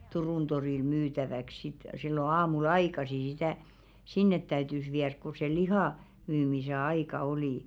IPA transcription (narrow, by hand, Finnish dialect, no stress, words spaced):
turuˑn toriˑl myːtæʋæk sit silːo ɑːmul ɑikɑsi sitæ sinːet tæytys ʋiærk ku se lihɑˑ myːmise ɑikɑ oliˑ